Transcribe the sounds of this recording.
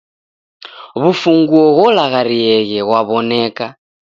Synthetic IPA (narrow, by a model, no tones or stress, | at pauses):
βufuŋɡuɔɣɔlaɣaɾiɛɣɛɣwaβɔnɛka